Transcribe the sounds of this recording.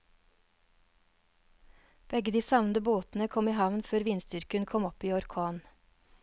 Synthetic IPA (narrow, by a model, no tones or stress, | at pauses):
b̥ɛɡəd̪iːsɑʋnd̪əboːt̪n̩əkʰɔmiːhɑʋnføːɾʋiːnst̪ʏɾkənkʰɔmɔpiːɔɾkʰoːn